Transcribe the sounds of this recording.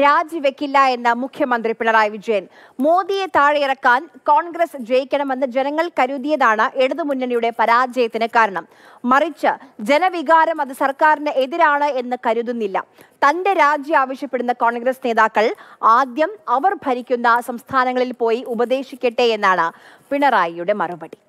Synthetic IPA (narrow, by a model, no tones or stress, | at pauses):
ɾaːd͡ʑiʋe̞kʲːilːɐe̞nːɐmukʰjɐmɐnd̪ripiɳɐraːjɐʋid͡ʑɐjɐn | mo̞ːðije̞t̪aːɻejirɐkːaːnko̞ːɳɡrɐsd͡ʑe̞jikʲːɐɳɐme̞nːɐd͡ʑe̞nɐŋːɐɭkɐɾuðijɐðaːɳɨʔe̞ɽuðɨmunːɐɳijuɽe̞pɐɾaːd͡ʑɐjɐt̪ːinɨkaːɾɐɳɐm | mɐrit͡ɕːɨd͡ʑe̞nɐʋiɣaːɾɐmɐðɨsɐrkaːɾinɨʔeðiɾaːɳɨe̞nːɨkɐɾuðunːilːɐ̰ | t̪ɐnde̞ɾaːd͡ʑjɐaːʋɐɕjɐpːe̞ɽunːɐko̞ːɳɡrɐsne̞ːðaːkːɐɭaːd̪jɐmɐʋɐrbʱɐɾikʲːunːɐsɐmst̪ʰaːnɐŋːɐɭilpo̞ːjiʔubɐd̪e̞ːɕikʲːɐʈːeenːaːɳɨpiɳɐraːjijuɽe̞mɐrɐbɐɽi